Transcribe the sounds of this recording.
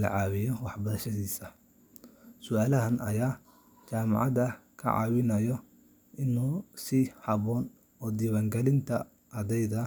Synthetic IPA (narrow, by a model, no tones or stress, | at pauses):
lɐ̰ʕɑːwɪjɔwɑħbɐɾɐʃɐðiːsɐ | sʊaːlɐɦɐnɐ̰jaː | t͡ʃaːmɑ̰ʕɑ̰ðɐkʰɐ̰ʕɑ̰ːwɪnɐjɔ | ʔɪnuːsihɑβɔːn | ɔːd̪iːβaːŋɡɛlɪnt̪ʰɐ | ʔɐðɛjðɐ